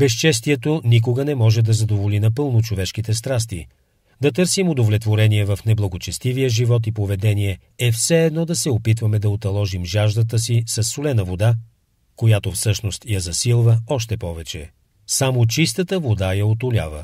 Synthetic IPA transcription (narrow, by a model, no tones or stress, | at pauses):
bɛs̬t͡ʃɛs̬t̪iɛt̪onik̬oɡənɛmɔʒɛd̪ɐzɐd̪ovolinɐpɤlˠnot͡ʃovɛʃkit̪ɛst̪ɾas̬t̪ḭ | d̪ɐt̪ɤɾsimod̪ovlɛt̪voɾɛniɛvɐfnɛblˠɐɡot͡ʃɛst̪ivijəʒivɔt̪ipovɛd̪ɛniɛ | ɛfsɛːd̪nɔd̪ɐsɛopit̪vɐmɛd̪ɐot̪ɐlˠɔʒimʒaʒd̪ət̪əsisɐsːolɛnəvod̪a | kojat̪ofsɤʃnost̪jɐzɐsilˠvəɔʃt̪ɛpɔvɛt͡ʃɛ̰ | samot͡ʃist̪ət̪əvod̪ajɐot̪ʊlʲa̰və̰